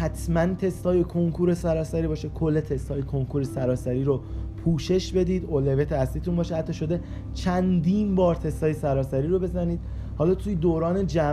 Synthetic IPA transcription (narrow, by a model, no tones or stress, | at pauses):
hæt̪ʰmænt̪ʰe̞st̪ɒːjekʰo̞ŋkʰuːɾe̞sæɾɒːsæɾiːbɒːʃekʰolːet̪ʰe̞st̪hɒːjekʰoŋkʰuɾesæɾɒːsæɾiːɾopʰuːʃe̞ʃbe̞d̪iːd̪olevet̪ʰeæsliːt̪unmbɒːʃehæt̪ːɒːʃo̞d̪e̞ | t͡ʃʰænd̪iːnbɒːɾt̪ʰe̞st̪ɒːjesæɾɒːsæɾiːɾo̞be̞zæniːd̪̚ | hɒːlɒːt̪ʰujed̪oːɾɒːne̞d͡ʒæ